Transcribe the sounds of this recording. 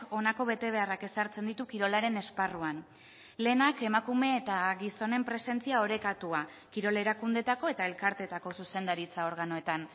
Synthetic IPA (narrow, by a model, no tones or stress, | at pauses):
o̞nako̞β̞e̞t̪e̞β̞e̞arake̞saɾt͡se̞nd̪it̪ukiɾo̞laɾe̞ne̞sparuan | le̞ːnake̞makume̞ːt̪aɣiso̞ne̞mpɾe̞se̞nt͡siao̞ɾe̞kat̪ua | kiɾo̞le̞ɾakund̪e̞t̪ako̞e̞t̪ae̞lkaɾt̪e̞t̪ako̞suse̞nd̪aɾit͡sao̞ɾɣano̞e̞t̪an